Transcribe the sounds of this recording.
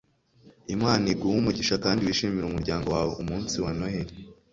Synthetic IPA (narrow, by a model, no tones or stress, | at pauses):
imaːniɡuwumuɟiʃakaːndiwiʃiːmiɾumuɾɟaːŋɡo̞waːweumuːnsiwanoheɾi